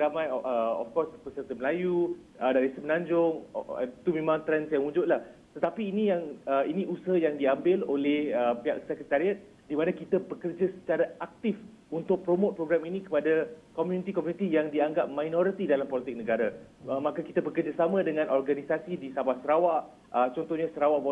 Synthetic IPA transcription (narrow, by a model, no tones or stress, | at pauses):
ɾamãjʔəɔ̰fkɔspəsərt̪əməlaju | ədaɾisəmənãɲd͡ʒʊŋ̰t̪umẽmãŋt̪ɾɛnsjaŋud͡ʒʊt̪̚lah | t̪ət̪apiːnĩjaŋəinĩusəɦajaŋdiambɪlolɛhəpia̰k̚sɛkət̪aɾiat̪̚ | dimãnakit̪abəkərd͡ʒasə̥t͡ʃaɾaʔak̚t̪if | unt̪ʊk̚pɾomot̪̚pɾoɡɾaminĩkəpadakɔmjunit̪ikɔmjũnit̪ijaŋdiaŋɡap̚majnɔɾit̪idalampɔlit̪ɪk̚nəɡaɾa | mãkakit̪abəkərd͡ʒasamə̃dəŋãnʔɔrɡanisasidisabahsəɾawaʔ | ət͡ʃɔnt̪ɔhɲasəɾawaʔb